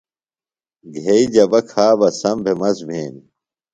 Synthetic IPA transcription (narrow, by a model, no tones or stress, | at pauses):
ɡʱeid͡ʑɐbɐkʰaːbɐsɐmbʱemɐsbʱeːni